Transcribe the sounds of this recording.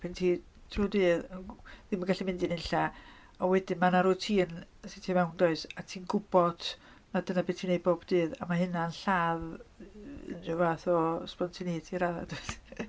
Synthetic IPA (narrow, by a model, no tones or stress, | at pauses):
pʰɪntʰiː | tʰruːdɨːðəðimaɡaɬimɪndɨnɪnɬa | ɔwɛdɪmanaɾuːtʰiːənsɪtʰjɔmɛwndɔɨsatʰiːnɡʊb̥ɔd̥ | nadənabeːtʰinejd̚bobdɨːða̰maɦɨnanɬaːð | ə̰nʊvaθɔspɔntʰiniːtʰiɾaða̰d̥ud̥